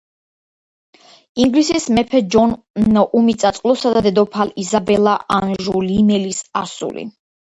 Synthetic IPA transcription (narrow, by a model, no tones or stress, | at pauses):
iŋɡlisismɛpʰɛd͡ʒɔn | nʔumit̪sʼat̪sʼqʼlˠɔsad̪ad̪ɛd̪ɔpʰalizabɛlaʔanʒulimɛlisasṵlḭ